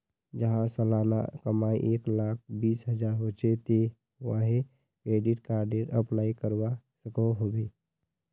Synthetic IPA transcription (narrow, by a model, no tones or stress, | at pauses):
d͡ʒəɦãsəlana̰kəmaiʔeːklaːk̚ʰbiːsɦəd͡ʒaːɾɦot͡ʃet̪e | ʋaɦe | kɾeːɖiʈkaːɾɖeʈəplaːikəɾwa | səkoɦobe